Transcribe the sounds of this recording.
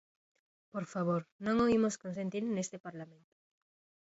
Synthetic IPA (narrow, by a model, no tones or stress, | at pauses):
poɾfaβ̞oɾnõŋoimoskonsent̪iɾnest̪epaɾlamẽnt̪o̥